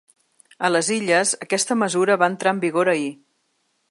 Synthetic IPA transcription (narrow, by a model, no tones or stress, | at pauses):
ələziʎəzəkɛst̪əməzuɾəβaənt̪ɾaəmbiɣoɾəi